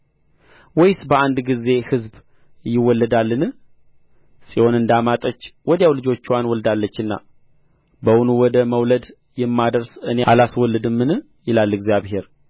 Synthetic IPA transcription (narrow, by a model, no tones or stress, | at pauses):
wɔjsbəand̪ɡize̞hɨzb | jɪwɔlːəd̪alːɨnɨ | sʼiho̞nɨnd̪amat̪ʼət͡ʃːwɔd̪jawlɨd͡ʒo̞t͡ʃːwanwɔld̪alːət͡ʃːɨnːa̰ | bəwunuwɔd̪əməwləd̪ | jɛmːad̪əɾsɨneʔalaswɔlːɨd̪ɨmːɨnɨ | jɪlalːɛɡzjaβɦe̞ɾ